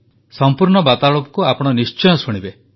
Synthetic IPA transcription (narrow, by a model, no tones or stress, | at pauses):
sɔmpuɾɳɔbat̪aɭɔpɔ̥kuapɔɽ̃ɔnist͡ʃɔjɔsuɽ̃ibe